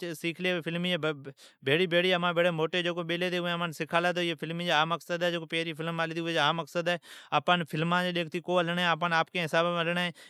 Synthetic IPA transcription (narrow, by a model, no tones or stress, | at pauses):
siːkʰleːpʰɪlmiːeː | beːɽiːbʱeːɽiːəmãːbʱeːɽeːmoːʈeːd͡ʒoːkoːɓeːleːt̪eːʊẽːmãːnsɪkʰaːlaːt̪oːeːpʰɪlmiːd͡ʒeːaːməksəd̪ɛːd͡ʒeːkoːpeːɾiːpʰɪlmaːliːt̪iːʊeːd͡ʒaːməksəd̪ɛːaːpãːnpʰɪlmãːd͡ʒeːɗeːkʰt̪iːkoːələɳɛːaːp̬ãːnaːpkẽːɦɪsaːbələɳẽː